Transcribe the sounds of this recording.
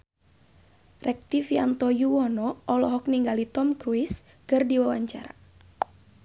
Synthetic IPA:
rɛk̚t̪ifiant̪ɔjuwɔnɔʔɔlɔɦɔk̚niŋɡalit̪ɔmkɾuɪs | kɨrdiwawaɲt͡ʃa̰ɾa̰

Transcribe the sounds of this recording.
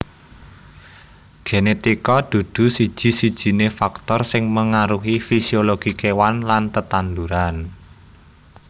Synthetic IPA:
ɡ̥enet̪ikɔd̪̥ṳd̪̥ṳsid̥ʒ̥i̤sid̥ʒ̥i̤nefak̚t̪ɔrsɪŋməŋaɾuɦifisioloɡ̥i̤kewanlant̪ət̪and̪uɾan

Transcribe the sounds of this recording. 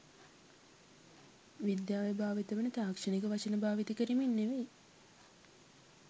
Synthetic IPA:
ʋid̪jaːʋejbʱaːʋit̪əʋənət̪aːkʂənekəʋat͡ʃənəbaːʋit̪əkəɾiminːeʋej

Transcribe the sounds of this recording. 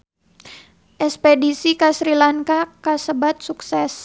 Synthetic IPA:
ʔɛspedisikasɾilaŋkakasəbat̪̚suksɛs

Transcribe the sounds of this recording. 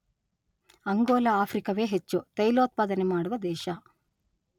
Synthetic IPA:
ɐŋɡoːlɐaːpʰɾikɐʋe̞ːɦet͡ʃːut̪ɐjloːt̪̚paːd̪ɐnemaːɽuʋɐd̪ɛːʃɐ

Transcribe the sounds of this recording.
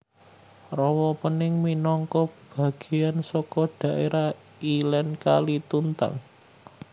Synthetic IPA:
rɔwɔpənɪŋminɔŋkɔb̥a̤ɡ̥i̤jansɔkɔɖ̥a̤ʔeɾʔa | ilɛnka̰lit̪unt̪a̰ŋ

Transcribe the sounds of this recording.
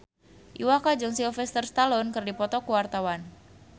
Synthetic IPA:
ʔiwakad͡ʒʊŋsilfɛst̪ərst̪alɔnkɨrdipɔt̪ɔkuwart̪awan

